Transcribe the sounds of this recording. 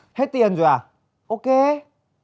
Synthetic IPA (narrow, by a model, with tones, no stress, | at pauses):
he˦˥t̚t̪i˨ənzu˨˩˨a˨˩ | ʔo˧˦ke˧˦